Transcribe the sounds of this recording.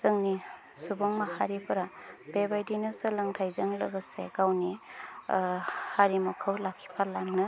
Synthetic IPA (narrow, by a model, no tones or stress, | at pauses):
z̥ɯŋni | subɔŋmahaɾipʰɯɾab̥ebajdinɯsəlɯŋtʰajzaŋlɯɡɯsḛɡawni | haɾimɐkʰɯwlakʰːi̥pʰalaŋnɯ